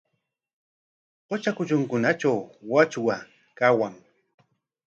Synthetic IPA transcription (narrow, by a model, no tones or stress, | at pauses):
qot͡ʃakʊt͡ʃʊŋkʊnat͡ʃawwat͡ʃwa | kawaŋ